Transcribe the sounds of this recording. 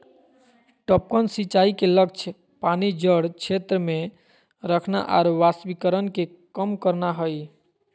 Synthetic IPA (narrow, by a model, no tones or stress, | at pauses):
ʈɔp̚kənsit͡ʃaikelək̚t͡ʃʰ | panid͡ʒəɽt͡ʃʰet̪ɾəme | ɾəkʰna̰ʔa̰ɾʋasbikəɾənke | kəmkəɾnaɦəj